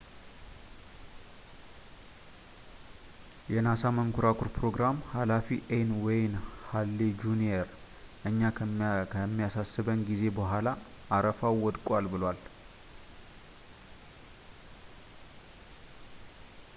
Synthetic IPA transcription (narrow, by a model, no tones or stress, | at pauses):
jɛnasaməŋkʰuɾakʰuɾpɾo̞ɡɾamhalafiʔenwɔjnhalːid͡ʒunieɾ | ʔɨɲːaəmːijasasːɨβənɡize̞bəɦʷala | ʔːɾəfawːɔd̪kʼalbɨlwal